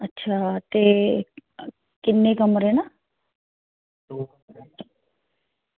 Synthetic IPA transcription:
ɐtːʃʰaːt̪e | kɪnːekɐməɾɦena

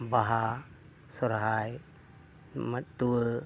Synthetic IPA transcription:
baɦa | sɔɾɦaj | mat̪uwə

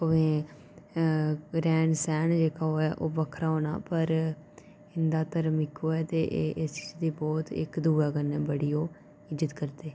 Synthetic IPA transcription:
poʋẽː | ɾɛːnsɛːnd͡ʒeːkaːoːɛːʔoːbəkʰɾaːɦoːna̰ːpəɾ | ɪnd̪aːt̪əɾmɪkoːɛːt̪eːʔːʔɪst͡ʃid̪iːbɔːt̪ɪ̰kd̪uːɾaːɡənɛːbəɽiːoː | ɪd͡ʒət̪kəɾd̪eː

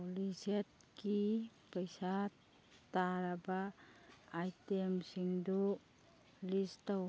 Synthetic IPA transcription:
liset̚ki | pəjsat | tːaɾabaː | jtemsiŋdu | listaw

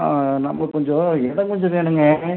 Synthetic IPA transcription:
nɐmːɐkɔɲd͡ʒɔ̃ɛðɐ̃kɔɲd͡ʒɔ̃ʋeːɳɯŋɡɐ

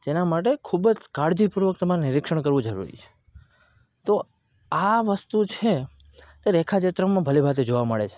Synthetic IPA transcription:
d͡ʒenamaʈ̬ekʰubd͡ʒkaɽd͡ʒipuɾʋək̚t̪əmaɾenɪɾɪkʃəɳ̃kəɾʋũd͡ʒəɾṵɾḭt͡ʃʰe̥ | t̪o | aʋəst̪ut͡ʃʰe | t̪eɾɛkʰat͡ʃet̪ɾamãbʱəlebʱat̪ed͡ʒoʋaməɭḛt͡ʃʰe̥

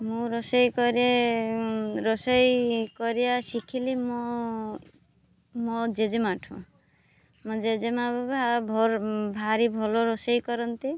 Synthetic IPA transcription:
mũɾɔsɔjkɔɾe | ɾɔsɔjkɔɾijasikʰilimɔ | mɔd͡ʒed͡ʒemaʈʰṵ̃ | mɔ̃d͡ʒed͡ʒemabɔbabʱɔɾbʱaɾibʱɔloɾɔsɔjkɔɾɔnt̪i

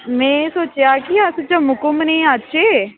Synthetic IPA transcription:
mɛ̃ːsoːt͡ʃjaːkiasət͡ʃəmʊkʊmnẽːat͡ʃeː

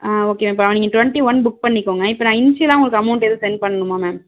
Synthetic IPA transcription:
aːoːkːeːmaːɪpːoɐʋɐniːŋɡɐʈʊʋɛɳʈiʋɐnbʊk̚pɐɳːɪkːoːŋɡɐɪpːɐːnãːɪnt͡ʃiɐlãːʊŋɡɐɭkɯɐmɐʊɳʈeðɯsɛnpɐɳːɐɳɯmaːmɛːm

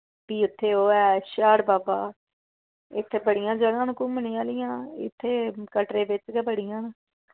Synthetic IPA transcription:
piːɪt̪ʰːeːoːɛːʃaːɽbaːbaː | ɪt̪ʰːeːbəɽɪjãːd͡ʒəɡãːnkʊmənĩːaːlɪjãːɪ̰t̪ʰːeːkəʈɾeːbɪt͡ʃkɛːbəɽɪjãːn

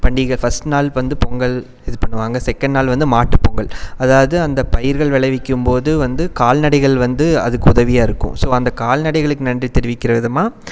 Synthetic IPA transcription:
pɐɳɖiɣɐɭfɐsʈnaːlʋɐnd̪ɯpɔŋɡɐɭ | ɛðɯpɐɳːɯʋaːŋɡɐsɛkːɐɳɖnaːlʋɐnd̪ɯmaːʈːɯpːoːŋɡɐɭɐðaːʋɐðɯɐnd̪ɐpɐjɪɾɣɐɭʋɛɭɐɪʋɪkʲːɯmpoːðɯʋɐnd̪ɯkaːlnɐɽɐɪɣɐɭʋɐnd̪ɯɐ̰ðɯkːɯʊðɐʋɪjaːɪɾɯkːʊ̰̃soːɐnd̪ɐkaːlnɐɽɐɪɣɐɭɯkːɯnɐndrit̪ɛɾɪʋɪkːɪɾɐʋɪðɐmaː

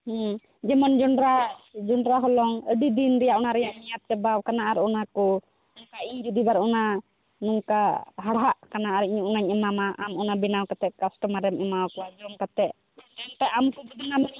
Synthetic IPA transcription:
hũ | d͡ʒɛmand͡ʒɔɳɖɾad͡ʒɔɳɖɾaɦɔlɔŋəɖid̪inɾɛjaʔɔnaɾɛjaʔɲijat̪̚t͡ʃɛbawkanaʔaɾɔnakɔ | nɔkaiɾid̪ibaɾɔna | nuŋkaɦaɽɦaʔkanaʔaɾiɲuʔnaɲɛmamaʔamɔnabinawkat̪ɛʔkasʈɔmaɾɛmɛmawkɔwad͡ʒɔmkat̪ɛʔ̚ | t̪ɛnt̪ɛʔamkɔbid̪inama

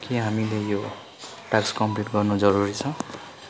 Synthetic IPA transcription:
kiɦamilejo | ʈakskʌmpliʈɡʌrnud͡zʌɾuɾit͡sʰʌ̃w̃

